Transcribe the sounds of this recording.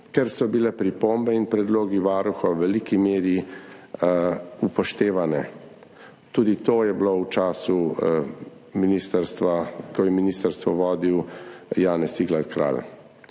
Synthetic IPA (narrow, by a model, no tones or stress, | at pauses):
kɛɾsɔbilɛpɾipombɛinpɾɛd̪loːɡiʋaːɾuxɔwʋɛliːkimeːɾi | upɔʃt̪eːʋanɛ | t̪uːd̪it̪oːjɛblowt͡ʃaːsu | minist̪əɾst̪ʋakɔjɛminiːst̪əɾst̪ʋɔʋɔːd̪iwjaːnɛsiɡlaɾkɾa̰l